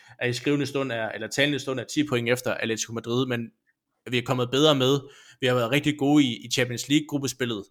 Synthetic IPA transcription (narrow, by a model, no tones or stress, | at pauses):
ʔæɐisɡ̥ʁiʊnəsd̥ɔ̽n̰æɐelɐt͡sʰɛːlnəsd̥ɔ̽næɐt͡sʰḭːpʰo̽e̝ŋefd̥ɐʔæle̥sikʰo̝mæd̥ʁiðˠmen | ʋiækʰɒ̽m̰ðˠb̥eð̞ˠʁɐːmeð̞ˠʋihɑ̈ʋæɐð̩ˠʁeɡ̥̚d̥iɡ̥o̝ːiːt͡ɕʰæmb̥ʰiənsliːɡ̥̚ɡʁub̥əsb̥e̝lð̞̩ˠ